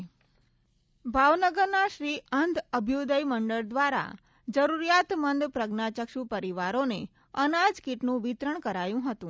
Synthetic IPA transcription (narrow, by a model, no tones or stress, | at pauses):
bʱaʋnəɡəɾnaʃɾiənd̪əbʱjod̪əjməɳɖəɭd̪ʋaɾa̰ | d͡ʒəɾuɾijat̪mənd̪pɾəɡnat͡ʃəkʃupəɾiʋaɾone | ənad͡ʒkiʈnũʋit̪ɾəɳ̃kəɾajũɦət̪ũ